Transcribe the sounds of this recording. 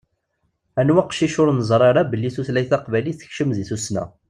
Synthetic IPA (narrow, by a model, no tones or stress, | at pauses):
ænwaqʃiʃʊɾnəzˤɾˤɑɾˤɑbəlːiθuθlæjθɑqvæliθə̥çʃəmðiθusnæ̰